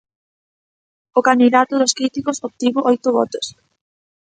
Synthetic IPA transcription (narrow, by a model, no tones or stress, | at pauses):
okand̪iðat̪ʊðoskɾit̪ikosop̚t̪iβoʔɔjt̪ʊβɔ̰t̪os